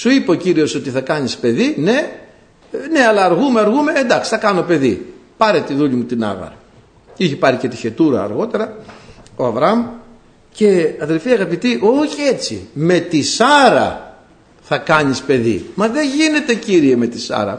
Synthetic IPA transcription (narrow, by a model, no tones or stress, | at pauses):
suipociɾio̞so̞t̪iθɐkɐɲispe̞ðine̞ | ne̞ɐlɐːɾɣume̞ɐɾɣume̞end̪ɐksi̥θɐkɐnope̞ðḭpɐɾet̪iðuʎimut̪inɐ̰ɣɐ̰ɾɐ | içepɐɾicet̪içe̞t̪uɾɐ̰ːɾɣo̞t̪e̞ɾɐo̞ɐvɾɐm | ce̞ɐðe̞lfiɐɣɐpit̪iʔo̞çie̞t͡sḭme̞t̪isɐɾɐ̰ | θɐkɐɲispe̞ðḭmɐðe̞ʝine̞t̪e̞ciɾie̞me̞t̪isɐ̰ɾɐ̰